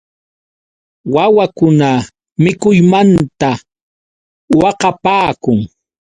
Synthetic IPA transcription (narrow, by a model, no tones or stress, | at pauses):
wawakʊna | mɪkʊjmant̪a | wɑqɑpaːkʊŋ